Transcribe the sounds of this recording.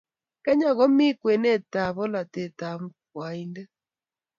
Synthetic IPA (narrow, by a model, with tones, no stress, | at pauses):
kɛ˦ɲa˨ɣɔ˦mi˦kwe˨nɛ˦˨ta˨βɔ˦la˨tɛ˨ta˨m̩˦kwa˨i˦ndɛ˦